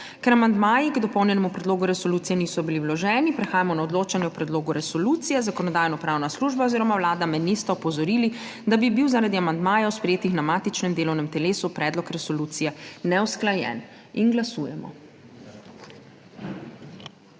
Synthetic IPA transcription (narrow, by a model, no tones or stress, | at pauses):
kɛɾamand̪maːjiɡd̪ɔpɔwnjɛnɛmupɾɛd̪loːɡuɾɛsɔluːt̪sijɛniːsɔbiliwlɔʒɛːnipɾɛxaːjamɔnaɔd̪loːt͡ʃanjɛɔpɾɛd̪loːɡuɾɛsɔluːt̪sijɛzakɔnɔd̪aːjnɔpɾawnasluʒbaɔziːɾɔmawlaːd̪amɛnist̪ɛɔpɔzɔɾiːli | d̪abibiwzaɾad̪iamand̪maːjawspɾɛjeːt̪ixnamaːt̪it͡ʃnɛmd̪eːlɔwnɛmt̪ɛleːsupɾɛːd̪lɔkɾɛsɔluːt̪sijɛnɛwsklajɛ̰n | inɡlasuːjɛmɔ̰